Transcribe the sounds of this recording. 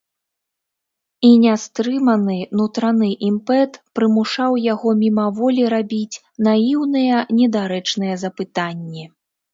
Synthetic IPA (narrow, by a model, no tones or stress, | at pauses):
inʲast̪ɾɨmɐnɨnut̪ɾanɨʔimpɛt̪pɾɨmuʂawjaɣɔmʲimɐvɔlʲiɾabʲit͡sʲ | najiwnɨjɐnʲɛd̪aɾɛt͡ʂnɨjɐzɐpɨt̪anʲːɛ